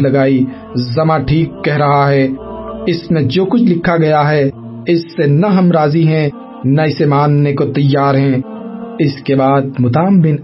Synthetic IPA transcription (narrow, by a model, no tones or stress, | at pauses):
lɐɡaːi | zɐmãʈʰiːkːɛɦɾɐɦaɦɛɪsmẽd͡ʒoːkʊt͡ʃʰlɪkʰːaɡɐjaɦɛ | ɪsːenɐɦɐmɾaːziɦɛ̃ | nɐɪsemaːnːekot̪ɐjːaːɾɦɛ̃ | ɪskebaːd̪̚mʊt̪aːmbɪn